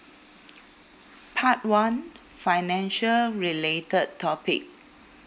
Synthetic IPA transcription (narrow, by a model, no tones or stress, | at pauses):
pʰat̚wãn | faɪnɛ̃nʃəlɹiletəd̚tʰːɔpɪ̰k̚